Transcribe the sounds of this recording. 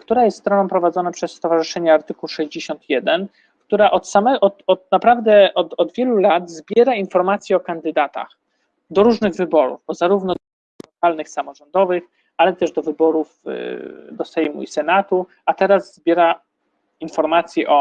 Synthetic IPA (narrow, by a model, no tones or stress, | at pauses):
kt̪uɾajɛst̪st̪ɾɔnɔ̃pɾɔvad̪zɔnapʂɛsːt̪ɔvaʐɘʂɛɲɛaɾt̪ɘkuwʂɛʑd͡ʑeɕɔnt̪jɛd̪ɛn | kt̪uɾaʔɔt̪samɛɔt̪ɔt̪napɾavd̪ɛʔɔt̪ɔd̪vʲjɛlulad̪zbʲjɛɾainfɔɾmat̪sʲjɛɔkand̪ɘd̪at̪a̰x | d̪ɔɾuʐnɘɣvɘbɔɾṵvbɔzaɾuvnɔ | lɔkalnɘxsamɔʐɔnd̪ɔvɘx | alɛt̪ɛʐd̪ɔvɘbɔɾuf | d̪ɔsɛjmṵisɛnat̪u | at̪ɛɾazzbʲjɛɾa | infɔɾmat̪sʲjɛʔɔ